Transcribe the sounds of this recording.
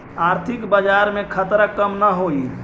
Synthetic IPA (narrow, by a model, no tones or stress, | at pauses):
aɾt̪ʰikbəd͡ʒaɾmekʰət̪ɾəkəmnaɦoi